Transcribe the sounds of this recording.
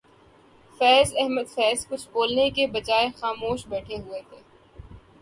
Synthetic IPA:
fɛːzɛɦməd̪fɛːzkʊt͡ʃʰboːlnekebɐd͡ʒaːexaːmoːʃbɛːʈʰeɦuet̪ʰeː

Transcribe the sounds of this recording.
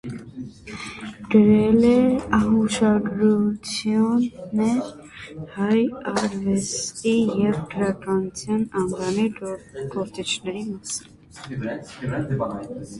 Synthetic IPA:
ɡ̥əɾɛlɛɑɦuʃɑɡɾut͡sʰjunːɛɾ | hɑjɑɾvɛst̪ijɛvkʰəɾɑkɑnut͡sʰjɑnɑŋɡɑniɡ̥ɔɾt̪it͡ʃʰnɛɾimɑsi̥n

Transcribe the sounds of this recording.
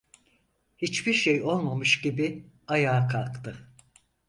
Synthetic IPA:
hit͡ʃbiɾʃejo̞lˠmamɯʃɟibi | ajaːkʰalˠkt̪ʰɯ

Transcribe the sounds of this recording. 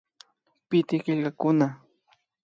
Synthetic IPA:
pɪt̪ɪɢɪʎɢakʊna

